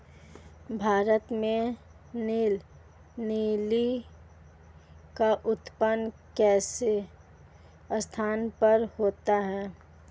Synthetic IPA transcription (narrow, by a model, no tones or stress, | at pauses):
bʱaːɾət̪mẽ | niːl | niːli | kaʔʊt̪pənkɛːse | st̪ʰaːnpəɾhoːt̪aɦɛː